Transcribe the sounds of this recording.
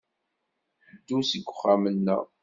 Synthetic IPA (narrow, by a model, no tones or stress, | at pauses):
d̪ːusəɡʷːʊχːamənːæ̰